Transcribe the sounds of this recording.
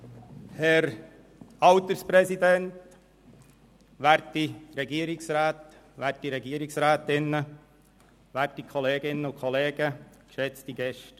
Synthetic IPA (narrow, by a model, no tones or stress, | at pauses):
hɛɾ | ɑwt̪əɾspɾɛsid̪ɛnt | ʋæːɾtːiɾɛɡiəɾɪksɾaːt̪ | ʋæːrtːiɾɛɡiːɾɪksɾaːt̪ɪnːə | ʋæːɾtːikʰχɔleːɡɪnːəʊkʰχɔleːɡ̥əkʃɛt͡sd̥iɡ̥ɛʃt